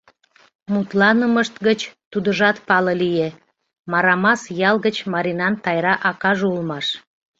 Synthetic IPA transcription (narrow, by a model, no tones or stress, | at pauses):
mut̪lɑnəməʃt̪ɡət͡ɕt̪ud̪əʒɑt̪pɑləlije | mɑɾɑmɑsjɑlɣət͡ɕmɑɾinɑnt̪ɑjɾɑʔɑkɑʒulmɑʃ